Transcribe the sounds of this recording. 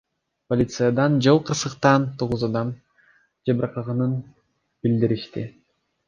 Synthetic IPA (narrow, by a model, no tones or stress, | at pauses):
polʲit̪sɨjad̪ɑnd͡ʒolˠqʰɯɾsɯqt̪ɑnt̪ʰo̞ʁuzɑd̪ɑm | d͡ʒɑbɯɾɑqɑʁɑnɯn | bild̪iɾiʃt̪i